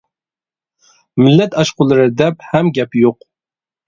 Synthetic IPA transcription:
mɪlːɛt̪ɑʃqʊlˠɨɾɨd̪ɛphɛmɡʲɛpjoq̚

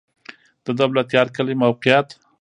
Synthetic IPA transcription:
d̪̥əd̪awlat̪jɑɾkəlimawqɪjat̪

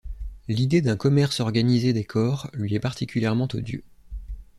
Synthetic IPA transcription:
lid̪ed̪ɛ̃kɔmɛʁsɔʁɡanized̪ɛkʰɔʁlɥiɛpaʁt̪ʰikʲyljɛʁmɑ̃t̪o̰d̪jø̰

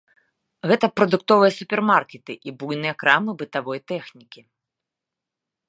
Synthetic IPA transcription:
ɣɛt̪ɐpɾɐd̪ukt̪ɔvɨjɐsupʲɛrmarkʲɛt̪ɨʔibujnɨjɐkɾamɨbɨt̪avɔjt̪ɛxnʲikʲi

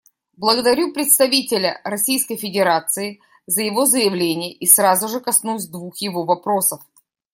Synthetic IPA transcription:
blˠəɡəd̪ɐɾʲupɾʲɪt̪st̪ɐvʲitʲɪlʲə̰ɾɐsʲijskəjfʲɪdʲɪɾat̪sɨɪ | zəjɪvo̞zəjɪvlʲenʲɪjəʔisɾazʊʐɨkɐsnusʲd̪vuxjɪvo̞vɐpɾo̞səf

